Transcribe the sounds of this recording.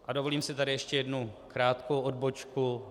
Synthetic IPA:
ʔadovo̞liːmsɪt̪adɪjɛʃcɛjɛdnukɾaːt̪kowʔodbot͡ʃku

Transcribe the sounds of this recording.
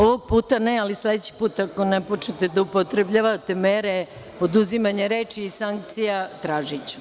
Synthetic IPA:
oʋoɡ̚puːt̪anealisle̞d̪et͡ɕi̥puːt̪ako̞nepo̞t͡ʃet̪ed̪aupo̞t̪ɾebʎaʋat̪e̞meɾe | o̞d̪uzimaɲeɾe̞ːt͡ʃiːsaŋk̚t̪sijat̪ɾaːʒit͡ɕu̥

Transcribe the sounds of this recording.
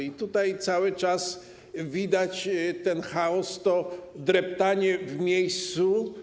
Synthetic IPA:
it̪ut̪ajt̪sawɘt͡ʂas | vʲid̪at͡ɕt̪ɛnxaɔst̪ɔd̪ɾɛpt̪aɲɛvmʲejst̪su

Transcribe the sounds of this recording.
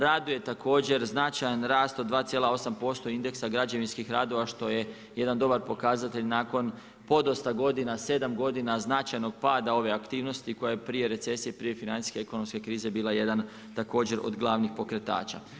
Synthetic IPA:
ɾaːd̪uje̞t̪akʰo̞ːd͡ʑe̞ɾznat͡ʃajanɾaːst̪od̪ʋaːt̪sije̞lao̞sampo̞st̪o̞ind̪e̞ksaɡɾad͡ʑaʋinskixɾaːd̪o̞ʋaʃt̪o̞je̞ | je̞d̪and̪o̞baɾpo̞kazat̪e̞ʎnaːko̞n | po̞d̪ost̪aɡo̞d̪inase̞d̪amɡo̞d̪inaznat͡ʃajno̞ɡ̚paːd̪ao̞ʋe̞akt̪iːʋno̞st̪iko̞jajepɾije̞ɾe̞t̪se̞sije̞pɾije̞finant̪i̥ske̞eko̞no̞mske̞kɾiːze̞biːlˠaje̞d̪an | t̪ako̞ːd͡ʑe̞ɾo̞̰d̪ɡlˠaʋnixpo̞kɾe̞t̪a̰ːt͡ʃa̰

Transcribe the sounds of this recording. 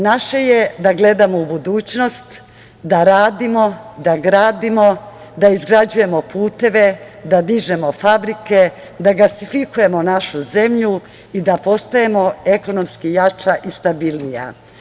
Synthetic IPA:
naʃe̞je̞d̪aɡle̞d̪amo̞ubud̪uːt͡ɕno̞st̪ | d̪aɾaːd̪imo̞d̪aɡɾaːd̪imo̞ | d̪aizɡɾad͡ʑuje̞mo̞pʰuːt̪e̞ʋe̞ | d̪ad̪iʒe̞mo̞fabɾike̞ | d̪aɡlasifikuje̞mo̞naʃuze̞mʎu | id̪apo̞st̪ajemo̞e̞ko̞no̞mskijat͡ʃaʔist̪abilnija̰

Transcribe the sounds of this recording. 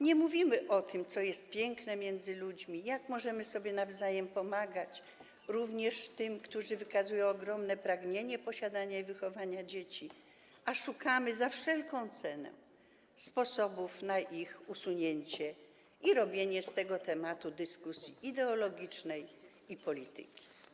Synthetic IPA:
ɲɛmuvʲimɘʔɔt̪ɘmt̪sɔjɛst̪̚pʲjɛŋknɛmʲjɛnd̪zɘlud͡ʑmʲijakmɔʐɛmɘsɔbʲjɛnavzajɛmpɔmaɡat͡ɕ | ɾuvɲɛʂt̪ɘmkt̪uʐɘvɘkazujɔ̃w̃ɔɡɾɔmnɛpɾaɡɲeɲɛpɔɕad̪aɲaivɘxɔvaɲad͡ʑet͡ɕi | aʂukamɘzafʂɛlkɔ̃w̃t̪sɛnɛ̰ | spɔsɔbufnaʔixusuɲeɲt͡ɕɛ | iɾɔbʲjeɲɛst̪ɛɡɔt̪ɛmat̪ud̪ɘskusʲjiʔid̪ɛɔlɔɡʲit͡ʂnɛj | ipɔlʲit̪ɨ̰kʲi̥

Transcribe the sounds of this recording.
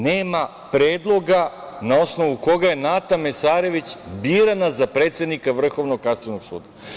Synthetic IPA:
neːma | pɾeːd̪lˠo̞ɡa | nao̞sno̞ʋuko̞ɡaje̞nat̪amesaːɾe̞ʋit͡ɕbiːɾanazapɾeːt̪sed̪nikaʋr̩xo̞ʋnoɡ̚kast̪onoɡsṵːd̪a

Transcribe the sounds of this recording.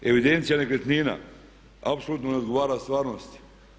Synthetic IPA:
e̞ʋid̪ent̪sijanekɾet̪nina̰ | apsolˠuːt̪noneod̪ɡoʋaːɾast̪ʋaːɾnost̪

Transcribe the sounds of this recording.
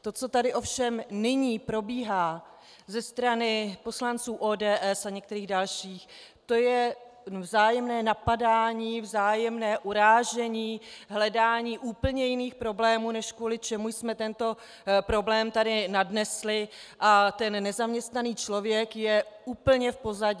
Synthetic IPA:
t̪o̞t͡so̞t̪adɪʔofʃɛmnɪɲiːpɾo̞biːɦaː | zɛst̪ɾanɪpo̞slant͡suːʔoːdɛːʔɛsaɲɛk̚t̪ɛɾiːɣdalʃiːx | t̪o̞jɛ | vzaːjɛmnɛːnapadaːɲiːvzaːjɛmnɛːʔuɾaːʒɛɲiːɦlɛdaːɲiːʔuːpl̩ɲɛjɪniːxpɾo̞blɛːmuːnɛʃkvuːlɪt͡ʃɛmujsmɛt̪ɛnt̪o̞ | pɾo̞blɛːmt̪adɪnadnɛslɪʔat̪ɛnːɛzamɲɛst̪naniːt͡ʃlo̞vjɛkjɛuːpl̩ɲɛfpo̞zaɟɪ

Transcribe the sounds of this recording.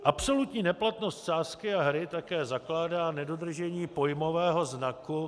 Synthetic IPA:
ʔapso̞lut̪ɲiːnɛplat̪no̞st̪t͡ʃaːskɪaɦɾɪt̪akɛːzaklaːdaːnɛdo̞d̪r̩ʒɛɲiːpo̞jmo̞vɛːɦo̞znaku

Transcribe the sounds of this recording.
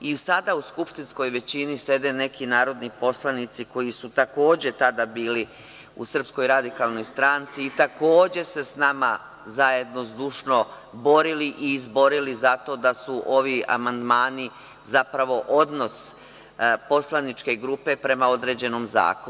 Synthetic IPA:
isad̪auskupʂt̪insko̞jʋe̞t͡ɕinise̞d̪e̞ne̞kinaːɾo̞d̪nipo̞slˠanit̪siko̞jisut̪ako̞ːd͡ʑe̞t̪ad̪abiːli | usr̩psko̞jɾad̪ikaːlno̞jst̪ɾaːnt̪siːt̪ako̞ːd͡ʑe̞se̞snama | zaje̞d̪no̞zd̪uʃno̞ | bo̞ɾiliʔiːzbo̞ɾilizat̪o̞d̪asuʔo̞ʋia̰mand̪maːni | zapɾaʋo̞ʔod̪no̞s | po̞slˠanit͡ʃke̞ɡɾupe̞pɾe̞mao̞d̪ɾe̞d͡ʑe̞no̞mza̰ːko

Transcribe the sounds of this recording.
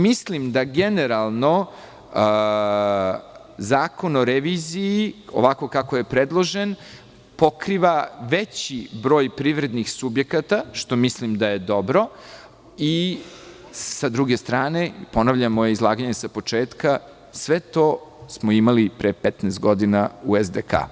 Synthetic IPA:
mislimd̪aɡeneɾalˠno̞ | zaːko̞no̞ɾeʋiːziio̰ʋako̞kakoje̞pɾed̪lˠo̞ʒen | po̞kɾiːʋaʋet͡ɕibɾo̞ːjpɾiʋɾe̞d̪nixsubje̞kat̪aʃt̪o̞mislimd̪aje̞d̪o̞bɾo̞ | i | sad̪ɾuɡe̞st̪ɾaːne̞po̞naʋʎamojeizlˠaːɡaɲesapo̞t͡ʂeːt̪ka | sʋet̪o̞smoimalipɾepɛt̪nest̪̚ɡo̞d̪inauezd̪eka̰ː

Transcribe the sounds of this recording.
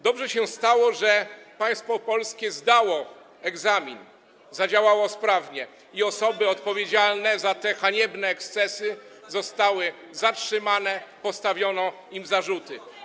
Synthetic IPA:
d̪ɔbʐɛɕɛst̪awɔʐɛpaj̃st̪fɔpɔlskʲɛzd̪awɔ | ɛɡzamʲin | zad͡ʑawawɔspɾavɲɛ | iɔsɔbɘɔt̪pɔvʲjed͡ʑalnɛzat̪ɛxaɲɛbnɛːkst̪sɛsɘ | zɔst̪awɘ | zatʂɘmanɛpɔst̪avʲjɔnɔ | imzaʐut̪ɘ

